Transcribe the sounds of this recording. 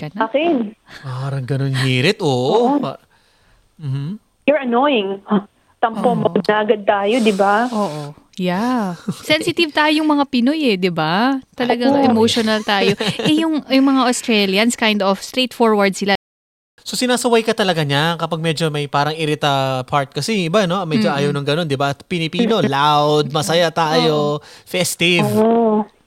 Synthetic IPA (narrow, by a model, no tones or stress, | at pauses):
kɐnakɪnpaːɾɐŋɡɐnonmiːɾɪt̪ʔoʔpa | m̩ːhm | jʊɹɐnojɪŋ | t̪ɐmpomɐd̪nɐʔɐɡɐd̪̚t̪aːjod̪ɪbaʔoːʔojasɛnsɪt̪ɪvt̪aːjojʊŋmɐŋapɪnojɛd̪ɪbat̪ɐlɐɡɐŋʔɛmowʃonɐlt̪aːjo̞ɛjʊŋjʊŋmɐŋaʔost̪ɾɹɛljɐnskajnd̪ofst̪ɾejt̪foɹwɐɹd̪̚sɪla | so̞sɪnaːsɐwajkɐt̪ɐlɐɡaɲakɐpaɡ̚mɛd͡ʒo̞mɐjpaːɾɐŋɪɾɪt̪ɐpʰaɹt̪̚kɐsɛɪbano̞mɛd͡ʒoʔaːjɐwnɐŋɡɐno̞nd̪ɪbapɪnɪpiːno̞lawwd̪̚mɐsɐjat̪aːjo̞fɛst̪ɪvʔo